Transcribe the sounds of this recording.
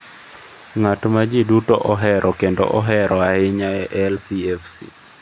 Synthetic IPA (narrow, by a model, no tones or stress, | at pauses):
ŋatmad͡ʒidutoʔɔɦɛɾʔɔkendo̰ʔɔɦɛɾʔɔaɪɲaɛʔɛlsiɛfsḭ